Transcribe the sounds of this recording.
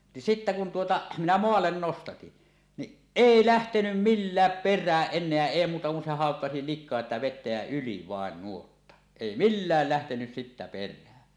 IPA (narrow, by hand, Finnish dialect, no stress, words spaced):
ni sitːæ kun tuotɑ minæ moɑlːen nostɑtin niʔ ʔeˑi læhtenym milːæːp perˑæːʔ ʔenˑeæ eˑi muːtɑ kun se hɑˑokːɑsi likˑoɑ sĭtæ ʋetːæ jæ yli ʋɑˑen nuotːɑ eˑi milːæˑl læhtenys sitːæ perˑæːn